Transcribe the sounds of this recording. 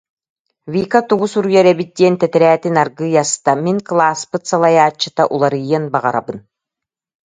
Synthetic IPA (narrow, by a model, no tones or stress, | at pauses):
viːkat̪uɡusuɾujaɾɛbit̪̚d̪iɛnt̪ɛt̪ɛɾɛːt̪inaɾɡɯjast̪amiŋklˠaːspɯt̪salˠajaːt͡ɕːɯt̪aʔulˠaɾɯjɯnbaʁaɾa̰bɯn